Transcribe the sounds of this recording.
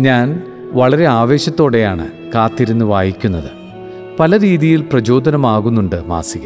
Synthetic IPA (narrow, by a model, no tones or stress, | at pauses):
ɲaːn | ʋɐɭɐɾe̞aːʋe̞ːɕɐt̪ːo̞ːɽe̞jaːɳɨ̰ | kaːt̪ːiɾunːuɨʋaːjikʲːunːɐðɨ | pɐlɐɾiːðijilprɐd͡ʑo̞ːd̪ɐnɐmaːɣunːuɳɖɨma̰ːsiɣɐ